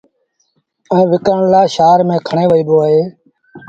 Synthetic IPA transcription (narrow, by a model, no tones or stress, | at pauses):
ɛ̃ːʋɪkəɳlaːʃaːɾmẽːkʰəɳeːʋəiːɗ̪oːaːɦeː